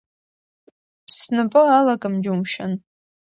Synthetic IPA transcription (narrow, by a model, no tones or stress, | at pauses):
ssnɨpʼɨalakʼɨmd͡ʒɪumʃan